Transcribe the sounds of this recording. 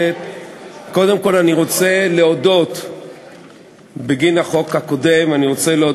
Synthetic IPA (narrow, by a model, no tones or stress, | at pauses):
e | ko̞d̪e̞mko̞laniʁo̞t͡seleod̪o̞t̪ | beɡinaχo̞khako̞d̪emaniʁo̞t͡seleo